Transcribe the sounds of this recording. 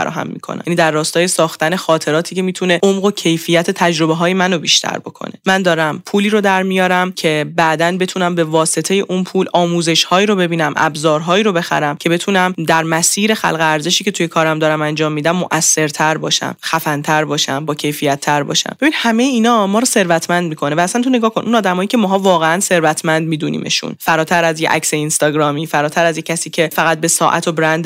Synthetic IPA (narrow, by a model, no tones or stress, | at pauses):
fæ̰ɾɒ̰ːɦæ̰mːḭkʰo̰næ̰jæniːd̪ærːɒːst̪ɒːje̞sɒːxt̪æne̞xɒːt̪ʰe̞ɾɒːt̪ʰiːcʰe̞miːt̪ʰune̞omɢocʰe̞jfiːjæt̪ʰe̞t̪ʰæd͡ʒɾo̞beɦɒːje̞mænobiːʃt̪ʰæ̰ɾbo̞kʰo̞̰nemænd̪ɒːɾæmpʰuːliːɾod̪æɾmijɒːɾæmcʰe̞bæʔd̪ænbe̞t̪ʰunæmbe̞vɒːse̞t̪ʰe̞je̞ʔunpʰuːlɒːmuːze̞ʃhɒːiːɾo̞be̞biːnæmʔæ̰bzɒːɾɦɒːiːɾo̞be̞xæ̰ɾæmcʰe̞be̞t̪ʰuːnæmd̪æɾmæsiːɾe̞xæ̰lɣeæɾze̞ʃiːcʰe̞t̪ʰujekʰɒːɾæmd̪ɒːɾæmænd͡ʒɒːmːiːd̪æmːoʔæsːe̞ɾt̪ʰæɾbɒːʃæ̰mxæfænt̪ʰæɾbɒːʃæ̰mbɒːcʰe̞jfijæt̪ʰːæɾbɒ̰ːʃæ̰mb̥inihæmejeiːnɒːmɒːɾɔːse̞ɾvæt̪ʰmænd̪mikʰo̞nevæːsænt̪ʰone̞ɡɒːkʰo̞nʔunɒːd̪æmɒːjiːcʰemɒːɦɒːvɒːɣeænse̞ɾvæt̪ʰmænd̪miːd̪unḭːmḛʃṵnfæɾɒːt̪ʰæɾæzjḛʔæ̰cseinst̪ɒːɡɾɒːmiːfæɾɒːt̪ʰæɾæzjecʰæsiːcʰe̞fæɣæt̪̚be̞sɒːʔæt̪ʰobɾænd̪